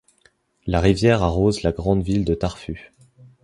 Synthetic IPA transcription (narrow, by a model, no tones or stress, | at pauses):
laʁivjɛʁaʁozlaɡʁɑ̃d̪vild̪ət̪aʁfy